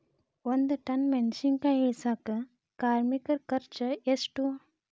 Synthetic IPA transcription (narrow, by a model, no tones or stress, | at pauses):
wɐnd̪ʈɐnmɛnt͡ʃiŋɡkaɦisakɐ | kaːɾmikəɾkɐɾt͡ʃɐesʈu